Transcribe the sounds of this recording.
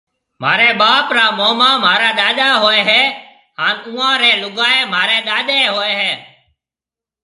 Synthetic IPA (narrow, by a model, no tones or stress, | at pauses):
m̤a̰ːɾeːɓaːpɾaːmoːmãːmaːɾaːɗaːɗaːɦoːɛːɦɛː | ɦaːnũːãːɾɛːlʊɠaːeːmaːɾɛːɗ̪aːɗeːɦoːeːɦɛː